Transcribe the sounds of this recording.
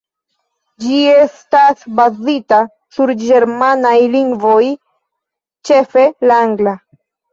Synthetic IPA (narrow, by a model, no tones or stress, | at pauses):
d͡ʒie̞stasbazita | suɾd͡ʒe̞ɾmanajliŋɡvo̞j | t͡ʃe̞fe̞laŋɡla